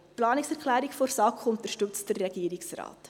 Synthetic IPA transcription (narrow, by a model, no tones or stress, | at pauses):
plɑːnɪksɛɾkχlæːɾikfoɾsɑːkχʊnt̪əʃtɵt͡sd̥ərːɛɡ̥iəɾiksrɑ̰ːt